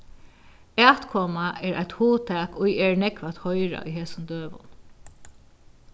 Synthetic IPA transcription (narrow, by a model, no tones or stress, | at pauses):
ɛːt̪kʰɔːmaʔɛːɹʔa̰jt̪huːt̪ʰɛːkʊjɛːɹnɛkʋat̪hɔjɹa̰ʊ̰jɦeːsʊnd̪øːʋʊ̰n